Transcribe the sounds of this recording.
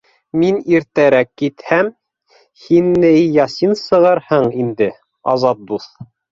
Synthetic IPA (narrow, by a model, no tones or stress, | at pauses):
miniɾt̪æɾækːit̪hæm | hinːɘjɑsinsɤ̆ʁɤɾhɤɴind̪ɘ | ɑzɑt̪̚d̪uθ